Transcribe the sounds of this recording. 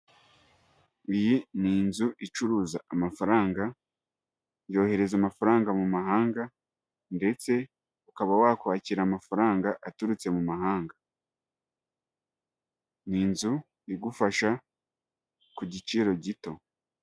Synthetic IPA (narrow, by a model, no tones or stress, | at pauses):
ijiniːnzuʔit͡ʃuɾuːzaamafaɾaːŋɡa | ɲjo̞ːhe̞ɾe̞zamafaɾaːŋɡamumaɦaːŋɡa | nde̞t͡se̞ | ukaβawaːkuwaːciɾamafaɾaːŋɡaʔatuɾut͡se̞mumaɦaːŋɡa | niːnzu | iɡufaʃa | kuɟit͡ʃiɾo̞ɟito̞